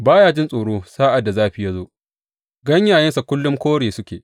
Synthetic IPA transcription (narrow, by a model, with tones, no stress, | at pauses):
baː˦jaː˦d͡ʒɪ˦nsʼoː˨ɽoː˦saː˦ʔa˨dːa˨zaː˦ɸi˨ja˦zoː˦ | ɡɐ˦ɲjaː˨jɐ˦nsa˨kʷʊ˦lːʊ˦mkʷoː˦ɽeː˨sʊ˦kʲeː˨ʔ